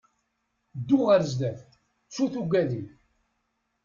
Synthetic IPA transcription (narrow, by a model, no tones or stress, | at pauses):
d̪ːuʁəɾzd̪æf | t͡sːuθuɡʷæði